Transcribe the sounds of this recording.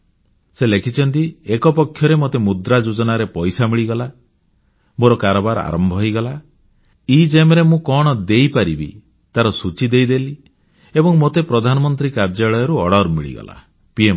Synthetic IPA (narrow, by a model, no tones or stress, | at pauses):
selekʰit͡ʃʰɔnt̪iekɔpɔkʰːjɔɾemot̪emud̪ɾad͡ʒud͡ʒɔnaɾepɔjsamiɭiɡɔla | moɾɔkaɾɔbaɾa̰ɾɔmbʱɔɦjɡɔla | id͡ʒemɾemũkɔɽ̃ɔd̪ejpaɾibḭ | t̪aɾɔsut͡ʃid̪ejd̪eli | ebɔŋmot̪epɾɔd̪ʱanɔmɔnt̪ɾikaɾd͡ʒaɭɔjɔɾuɔɽɔɾmḭɭḭɡɔ̰la̰ | piem